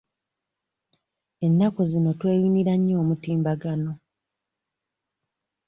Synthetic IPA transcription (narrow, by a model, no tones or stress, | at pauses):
e̞nːakozino̞twe̞ːjiniɾaɲːo̞ːmutiːmbaɡano̞